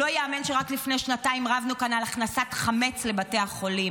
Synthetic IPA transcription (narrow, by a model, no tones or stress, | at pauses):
lojaːmenʃeʁaklifne̞jʃnataimʁavnukanalaχnasatχame̞t͡sle̞bateaχo̞lim